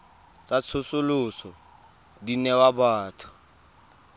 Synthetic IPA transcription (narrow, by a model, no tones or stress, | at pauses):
t͡sat͡sʰʊsʊlʊsɔ | dinɛwabaːtʰʊ̥